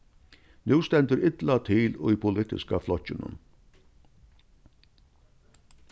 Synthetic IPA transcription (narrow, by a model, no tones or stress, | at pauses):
nʉːst̪ɛnt̪əɾɪt̪lat̪ʰɪlʊjpʰʊlɪt̪ɪ̰skaflɔcɪnʊ̰n